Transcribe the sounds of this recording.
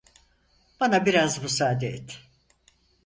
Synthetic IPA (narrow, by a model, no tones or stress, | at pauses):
b̥anabiɾazbusaːd̪eɛt̪ʰː